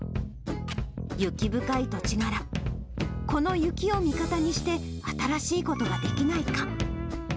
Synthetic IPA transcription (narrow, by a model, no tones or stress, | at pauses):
jɯ̟kʲibɯ̟kait̪o̞t͡ɕiɡaɾa | ko̞no̞jɯ̟kʲio̞mʲikat̪aɲ̟iɕi̥t̪e̞at̪aɾaɕiːko̞t̪o̞ɡad̪e̞kʲinaika